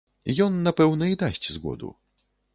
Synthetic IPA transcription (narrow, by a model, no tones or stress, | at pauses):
jɔnːapɛwnɐid̪asʲt͡sʲzɣɔ̰d̪ṵ